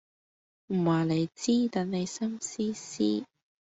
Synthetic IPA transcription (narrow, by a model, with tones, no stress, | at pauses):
m̩˨˩waː˨˩le˨˧jt͡siː˥t̪ɐ˨˥nne˨˧jsɐ˥msiː˥siː˥